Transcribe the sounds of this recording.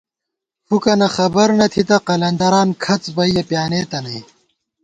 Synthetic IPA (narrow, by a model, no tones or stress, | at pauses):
fukɐnɐxɐbɐɾnɐt̪ʰit̪ɐqɐlɐnd̪ɐɾaːnkʰɐt͡sbɐijɐpjaːneːt̪ɐnɐi